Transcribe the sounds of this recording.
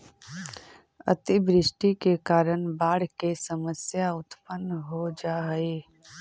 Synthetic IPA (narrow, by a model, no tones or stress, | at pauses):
ə̰t̪ɪbɾɪʃʈikekaːɾəɳ̃baːɽ̤kesəməsjaʊt̪pənːɦod͡ʒaːeː